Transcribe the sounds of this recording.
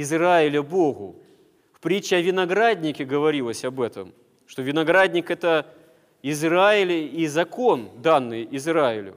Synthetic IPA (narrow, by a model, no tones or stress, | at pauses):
ɪzraɪlʲəboɣʊ̰ | fpɾʲit͡ɕːɪɐvʲɪnɐɡɾad̪ʲnʲɪkʲɪɡəvɐɾʲilˠəsʲɐbɛt̪ə̰m | ʂt̪ovʲɪnɐɡɾad̪ʲnʲɪkɛt̪ə | ɪzraɪlʲizɐko̞nd̪anːɨjɪzɾaɪ̰lʲʊ̰